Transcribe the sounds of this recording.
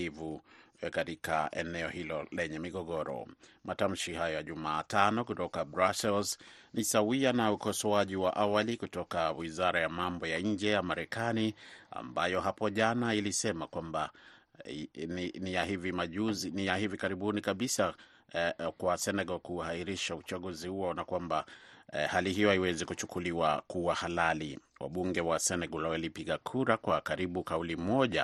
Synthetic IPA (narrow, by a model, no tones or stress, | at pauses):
ivukatika̰ɛ̰nɛɔhilɔlɛɲɛmiɠɔɡɔɾɔ̰mʔatam̩ʃihajɔjaʄumaːtanɔkutɔkabɾasɛlsnisawianaukɔsɔaʄiwaʔawalikutɔkawizaɾajamambɔjaɲ̩d͡ʒɛjamaɾɛkania̰mbajɔɦapɔʄanailisɛmakwamba | ninijahivimaʄuzinijahivikaɾiɓunikaɓisa | kwasɛnɛɡɔlkuhaiɾiʃaut͡ʃaɠuzihuɔnakwambahaliɦijɔaiwɛzɛkut͡ʃukuliwakuwahalaliwa̰ɓuŋɡɛwasɛnɛɡɔlawalipiɠakʰuɾakwakaɾiɓukaulimmɔʄa̰